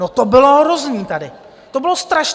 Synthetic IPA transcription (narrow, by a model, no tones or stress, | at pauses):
ot̪obɪloɦɾozɲiːt̪adɪ | t̪obɪlost̪ɾaʃ